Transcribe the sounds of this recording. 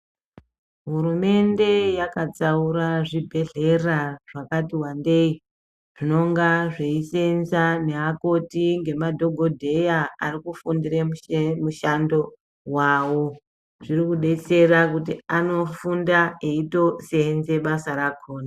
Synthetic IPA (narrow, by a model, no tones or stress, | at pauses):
ɦuɾume̞nde̞jakat͡sauɾaʐibʱe̞ɮe̞raʐ̥akatiwande̞i | ʐ̥ino̞ŋɡaʐe̞isenzane̞ɦako̞tiŋɡe̞madʱo̞ɡʱo̞dʱe̞jaarikufundireumuʃando̞ | wawo̞ | ʐirikuɗe̞t͡se̞ɾakutiano̞fundaeito̞senze̞ɓasaɾakʰoːna